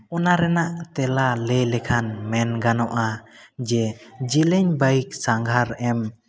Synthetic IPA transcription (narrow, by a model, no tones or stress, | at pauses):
ɔnaɾɛnaʔt̪ɛlalɛlɛkʰanmɛnɡanɔʔa | d͡ʒɛd͡ʒilɛɲbaik̚saŋɡʱaɾɛm